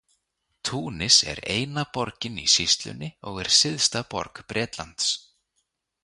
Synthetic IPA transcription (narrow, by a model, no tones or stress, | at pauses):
t̪ʰuːnɪsɛ̰ɾeːjnapɔɾcɪnisist̪lʏ̰nːɪɔɣɛɾ̥sɪðst̪apɔ̰ɾkpɾɛːt̪lant̪s